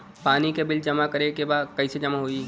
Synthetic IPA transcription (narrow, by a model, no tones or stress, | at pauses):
paːnikebɪld͡ʒɐmakɐɾekebaːd̪kɐised͡ʒɐmaɦoːi